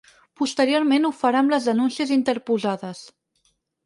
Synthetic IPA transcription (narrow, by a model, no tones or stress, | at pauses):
pust̪əɾioɾmenufəɾamləzðənunsiəzint̪əɾpuzaðəs